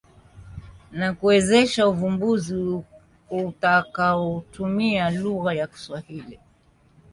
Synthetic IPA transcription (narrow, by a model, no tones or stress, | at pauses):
nakuwɛzɛʃauvumbuzi | utakaɔtumialuɣajaki̥swahili